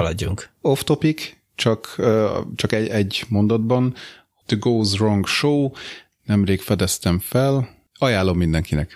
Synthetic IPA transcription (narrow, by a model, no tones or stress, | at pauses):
ɒlɒɟːuŋko̞ft̪o̞pik | t͡ʃɒkː | t͡ʃɒkɛɛɟːmo̞nd̪ɒd̪bɒn | d̪̥əɡoːzroŋɡʃoː | nɛmreːkfɛd̪ɛst̪ɛɱfɛl | ɒjaːlːo̞mːind̪ɛŋkinɛk